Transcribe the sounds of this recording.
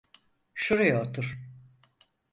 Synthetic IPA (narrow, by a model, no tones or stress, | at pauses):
ʃuɾujaot̪ʰuɾ̥